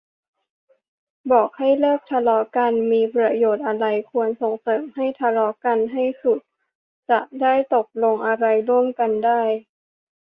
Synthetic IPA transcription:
bɔː˨˩k̚ha˥˩jlɤː˥˩k̚t̪ʰa˧lɔː˦˥ka˧nmiː˧pɾa˧joː˨˩t̪̚ʔa˧ɾa˧jkʰu˧ənso˨˩ŋsɤː˩˦mha˥˩jt̪ʰa˧lɔː˦˥ka˧nɦa˥˩jsu˨˩t̪̚ | t͡ɕa˨˩ʔdaː˥˩jt̪o˨˩k̚lo˧ŋʔa˧ɾa˧jɾu˥˩əmka˧ndaː˥˩j

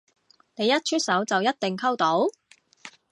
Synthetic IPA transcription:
ne˨˧jːɐ˥t̚t͡ʃʰy˥t̚sɐ˨˥wt͡sɐ˨wjɐ˥t̚t̪ɪ˨ŋkʰɐ˥wt̪o˨˥w

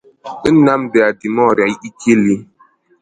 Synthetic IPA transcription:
i˦na˦mbɛ˨a˨di˨mɔ˦˨ɾa˨i˦i˦kʰe˦˨li˨˦

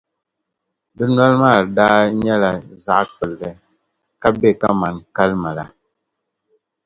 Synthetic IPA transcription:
bɨ˦nwa˦lma˦˨da˦ɲɛ˦la˨za˨ʔk͡pə˨lːɛ˦ | ka˦be˦˨ka˦ma˨nka˦lma˨la̰˨

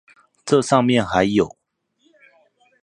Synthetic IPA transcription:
ʈ͡ʂɤ˥˧ʂɑ˥˧ŋmjɛ˥˨nxa˧˦˥ɪjo˨˩˦ʊ

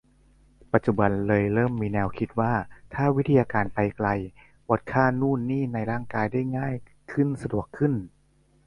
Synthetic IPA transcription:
pa˧t̪̚t͡ɕu˨˩ba˧nlɤː˧jɾɤː˥˩mːiː˧nɛː˧wkʰi˦˥t̪̚waː˥˩t̪ʰaː˥˩wi˦˥t̪ʰi˧jaː˧kaː˧npa˧jkla˧j | bɔ˨˦˥t̪̚kʰaː˥˩nuː˥˩nːiː˥˩na˧jɾaː˥˩ŋkaː˧jdaː˥˩jŋaː˥˩j | kʰɯ˥˩nsa˧du˨˩əkʰːɯ˥˩n

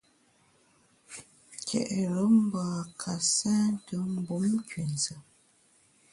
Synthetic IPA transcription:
kʰɛ̰˨ʔɛ˨ɾə˨˦m̩˦baː˨a˨kʰa˨sɛː˦n˦tə˨˦m̩˦bu˨˦m˦kɥe˨n˨zə˨

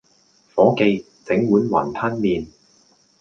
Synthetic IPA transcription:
fɔː˨˥ke˧j | t͡sɪ˨˥ŋwuː˨˥nwɐ̰ː˨˩nt̪ʰɐ˥nmiː˨˧n

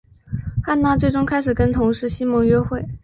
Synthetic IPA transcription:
xa˥˧nna˥˧t͡swe˥˩ɪʈ͡ʂʊ˥ŋkʰa˥ɪʂɻ̩˨˩kə˥nt̪ʰʊ˧˥ŋʂɻ̩˥˩ɕi˥mɔ˧˥ŋɥɛ˥xwe˥˩ɪ

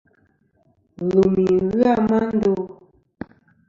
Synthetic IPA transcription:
lu˨mi˨ɣɯ˦a˦˨ma˦n˦do˦

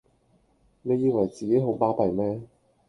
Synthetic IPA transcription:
ne˨˧jiː˧wɐ˨˩jt͡siː˨ke˨˥jɦo˨˥wpaː˥pɐ˨˩jmɛː˥

